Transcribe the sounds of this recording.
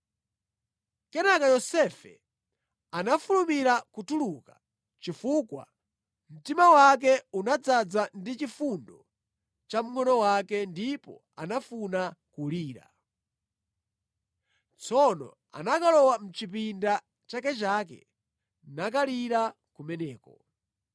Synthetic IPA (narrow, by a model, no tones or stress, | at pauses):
kɛnakajɔsɛfɛ̰ | anafulumiɾakutuluka | t͡ʃifuːkwa̰ | m̩timawak̬ɛunad͡zad͡zandit͡ʃifundɔ | t͡ʃam̩ŋɔnɔwakɛndipɔ̰ | a̰nafunakuliːɾa̰ | t͡sɔnɔ̰ | a̰nakalɔwam̩t͡ʃipinda | t͡ʃakɛt͡ʃaːk̬ɛ̰ | nak̬aliɾa | kumɛnɛːkɔ